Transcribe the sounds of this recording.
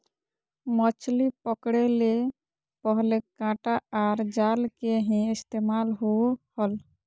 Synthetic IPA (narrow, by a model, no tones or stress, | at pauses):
mɔt͡ʃlipɔkɽele | pɔɦlekãʈaaɾd͡ʒalkeɦɛ̃ɪst̪emalɦohɔl